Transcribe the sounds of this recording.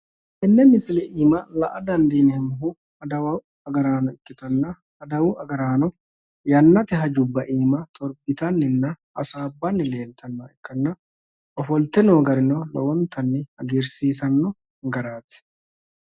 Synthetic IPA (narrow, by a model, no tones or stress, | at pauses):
ʔɛnːɛmɪslɛʔiːmɐlɐʔɐd̪ɐnd̪iːnɛmʊɦʊ | ɐd̪ɐwɐw | ɐɡɐɾaːnɔɪkːɪt̪ɐnːɐ | ɐd̪ɐwʊɐɡɐɾaːnɔ | jɐnːɐt̪ɛɦɐd͡ʒʊbːɐʔiːmɐt̪ʼɔɾbɪt̪ɐnːɪnːɐ | ɐsaːbːɐnːɪle̞ːlt̪ʰɐnːɔɛkːɐnːɐ | ɔfɔlt̪ːɛnoːɡɐɾɪnɔlɔ̰wɔnt̪ɐnːɪhɐɡeɾsiːsɐnːɔ | ɡɐɾaːt̪ɪ̥